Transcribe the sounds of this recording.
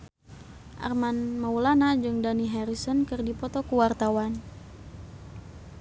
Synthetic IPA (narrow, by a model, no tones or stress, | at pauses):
ʔa̰rmanmaulanad͡ʒɨŋdaniɦɛɾisɔnkɨrdipɔt̪ɔkuwart̪awan